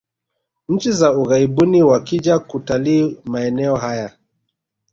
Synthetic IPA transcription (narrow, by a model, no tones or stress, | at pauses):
ɲ̩t͡ʃizauɣaiɓuniwakiʄakutaliːmaɛnɛɔɦaja